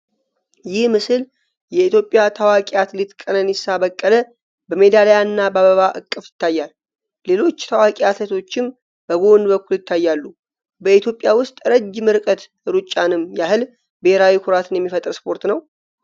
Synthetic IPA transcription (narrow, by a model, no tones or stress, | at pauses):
jɪhmɨsɨl | jɛit̪jo̞pʼːjat̪ʰawakʼiat̪lit̪kʼənənɪsabəkʼːələ | bəme̞d̪aləjanːabaβəβaʔɨkʼːɨfjɪt̪ːajːalː | e̞lo̞t͡ʃːt̪ʰawakʼiat̪ʰət̪ʰo̞t͡ʃːɪm | b̥əɡo̞nbəkʰːuljɪt̪ʰːajːalːu | bəit̪ʰjo̞pʼjawʊst̪ʼɾəd͡ʒːmɨɾkʼət̪ | ɨɾut͡ʃʼːanɨmːjahɨl | bəheɾawikʰʊɾat̪ʰɨnjɛmːifət̪ʼɾspʰo̞ɾt̪nəw